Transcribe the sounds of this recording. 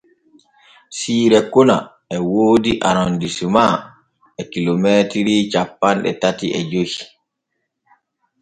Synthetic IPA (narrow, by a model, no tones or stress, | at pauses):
siːɾɛkɔna̰ | ɛwoːdiʔaɾɔndisuma | ɛkilomɛːtiɾit͡ʃapːanɗɛ̰tatiɛ̰d͡ʒohi